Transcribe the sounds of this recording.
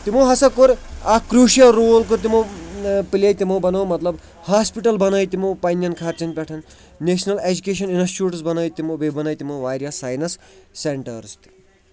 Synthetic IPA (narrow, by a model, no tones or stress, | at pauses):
t̪imoɦɐsɐkoɾakɾuːʃijɐɾoːlkut̪̬imopilʲɐjt̪imobɐnɐwmɐt̪lɐb | haːspiʈɐlbɐnɐjt̪imopɐnːjɐnkʰaːɾt͡ʃɐnpʲɛʈʰɐn | neːʃnɐled͡ʒukeːʃɐninɐst͡ʃuːʈsbɐnɐjt̪imobebɐnɐjt̪imoʋaːɾʲjasaːjnɐsːeɳʈɐɾust̪i̥